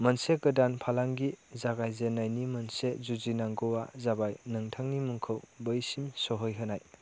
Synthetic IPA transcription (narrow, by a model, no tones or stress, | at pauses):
mənseɡɯdanpʰalaŋɡizaɡajzenːajnimɐnsezuzinaŋɡowazabajnɯŋtʰaŋnimuŋkʰɯwbəjsimsɔɦɔjɦɯnaj